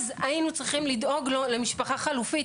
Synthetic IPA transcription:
zainut͡sʁiχimlid̪o̞ɡlole̞miʃpaχaχalufi

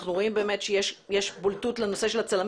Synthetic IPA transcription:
χnuʁo̞imbe̞ːme̞tʃejeʃjeʃbultutleno̞se̞ʃelat͡salam

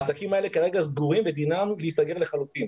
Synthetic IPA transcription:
sakimae̞le̞kaʁe̞ɡazɡuʁimved̪inamliisaɡe̞ʁle̞χalut̪im

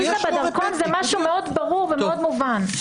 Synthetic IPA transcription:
itabed̪aʁkonzɛmaʃumeo̞d̪baʁuʁvemeod̪muvan

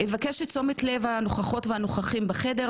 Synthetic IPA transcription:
evakeʃett͡so̞metle̞vano̞χaχo̞tvehano̞χaχimbaχede

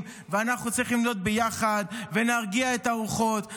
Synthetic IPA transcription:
m | veanaχnut͡sʁiχlimd̪o̞t̪̚bejaχad̪ve̞naʁɡiaet̪auχo̞t̪

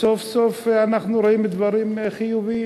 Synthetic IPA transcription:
sofsofanaχnuɾoimbed̪vaɾimχijuvi

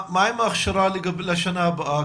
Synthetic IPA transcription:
maːjmɐxʃɐɾaːliɡɐbilɐʃɐnaːbɐaː

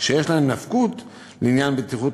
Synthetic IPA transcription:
ʃejeʃlaemnafkut | leinjanbet̪iχut

